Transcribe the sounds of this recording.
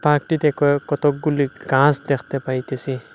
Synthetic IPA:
pak̚ʈit̪ɛkɔkɔt̪ɔk̚ɡuliɡãsd̪ekʰt̪ɛpait̪esi

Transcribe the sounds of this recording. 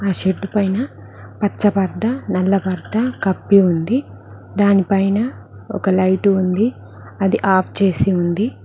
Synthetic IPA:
aːʃeɖːupɐjnɐ | pɐt͡ʃːɐpɐɾd̪ɐnɐlːɐpɐɾd̪ɐkɐpːiund̪i | d̪aːnipɐjnɐ | ɔ̰kɐlɐjʈuund̪i | ɐd̪iʔaːpʰt͡ʃe̞ːsiund̪i

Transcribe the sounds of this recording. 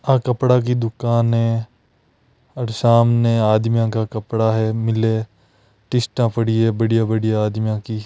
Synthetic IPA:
ãːkəpɽak̬id̪ʊkaːnɦɛ | ɐɾʃaːmneaːd̪mijãkakɐpɽaɦɛmɪle | ʈɪsʈãpəɽiebəɽijabəɽijaaːd̪mijãki

